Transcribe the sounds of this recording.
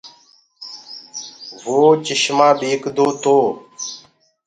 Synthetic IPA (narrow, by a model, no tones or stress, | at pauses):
ʋoːt͡ʃɪʃmãːbeːkd̪oːt̪oː